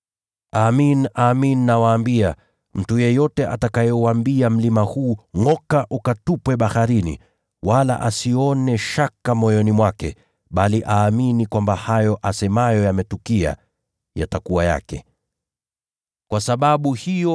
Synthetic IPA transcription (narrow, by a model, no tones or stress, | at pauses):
aminaːmininawaːmbia | m̩tujɛjɔtɛʔa̰takajɔwambiam̩limahuːŋɔkaʔukatupwɛɓahaɾinḭ | wala̰ʔasiɔnɛʃakamɔjɔnimwakɛ̰ | ɓaliʔaːminikwambahajɔʔasɛmajɔjamɛtukia̰ | ja̰takuwaja̰kɛ̰ | kwasaɓaɓuhijɔ